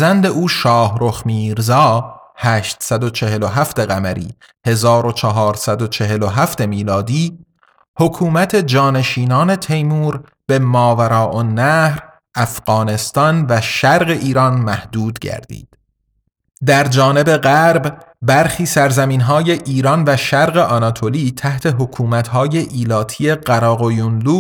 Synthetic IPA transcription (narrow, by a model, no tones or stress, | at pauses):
zænd̪e̞ʔuːʃɒːhɾo̞xmiːɾzɒːhæːʃt̪sæd̪o̞t͡ʃʰe̞ɦe̞loɦæft̪eɣæmæɾḭː | he̞zɒːɾo̞t͡ʃʰɑɦɒːɾsæd̪ot͡ʃʰe̞ɦe̞loɦæft̪e̞miːlɒːd̪iː | hokʰuːmæt̪ʰe̞d͡ʒɒːne̞ʃiːnɒːne̞t̪ʰe̞jmuːɾ | b̥e̞mɒːvæɾɒːʔonːæhɾ | ʔæfɢɒːne̞st̪ɒnvæʃæɾɣe̞ʔiːɾɒnmæhd̪̥uːd̪ɟæ̰ɾd̪ḭːd̪̥ | d̪æɾd͡ʒɒːne̞be̞ɢæɾbbæɾxiːsæɾzæmiːnɦɒːje̞ʔiːɾɒnvæʃæɾɣe̞ʔɒnɒt̪ʰo̞liːt̪ʰæht̪ʰe̞ɦo̞kʰuːmæt̪hɒːje̞ʔiːlɒːt̪ʰiːe̞ɢæɾɒːɣojunluː